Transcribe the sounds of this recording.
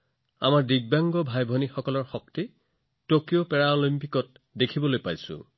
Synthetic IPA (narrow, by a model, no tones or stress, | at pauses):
a̰maɹdiɡ̚baŋɡɔbʱajbʱɔnixɔkɔlɔɹxɔk̚ti | tokijopɛɹaolimpikɔt̚ | dekʰibɔlojpajsʊ̰̃